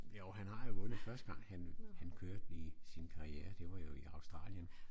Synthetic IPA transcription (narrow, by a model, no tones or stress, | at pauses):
joʊɦænɦɑ̈jo̝ʋɔ̽nðˠfɶɐsd̥ə̥ɡ̥ɑ̈ŋ̰hænhænkʰøːɐ̰d̥isinkʰɑ̈ʁieːɐd̥e̝ʋɑ̈jo̝iɑ̈ʊsd̥ʁɑ̰̈ːljən